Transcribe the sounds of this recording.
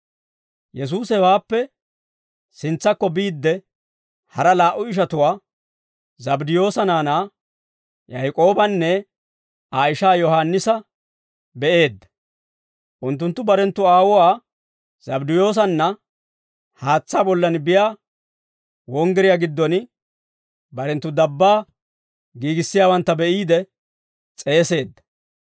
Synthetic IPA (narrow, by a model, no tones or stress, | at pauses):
jɛs̬uːsɛwaːpːɛ | sɪnt͡sːɐkːɔbiːd̪ːɛ | hɐɾɐlaːʔʊɪʃ̬ɐt̪ʊwaː | zɐbd̪ɪjo̞ːsɐnaːnaː | jɐjkʼo̞ːbɐnːɛ | aːɪʃaːjɔɦanːɪsɐ | bɛʔe̞ːd̪ːɐ̥ | ʔʊnt̪ːʊnt̪ːʊbɐɾɛnt̪ːʊaːwɔwaː | z̥ɐbd̪ɪjo̞ːs̬ɐnːɐ | haːt͡sːaːbɔlːɐnbɪjaː | wɔŋɡɛɾɪjaɡɪd̪ːɔn | bɐɾɛnt̪ːʊd̪ɐbːaː | ɡiːɡɪsːɪjaːwɐnt̪ːɐbɛʔiːd̪ɛ | t͡sʼe̞ːse̞ːd̪ːɐ̥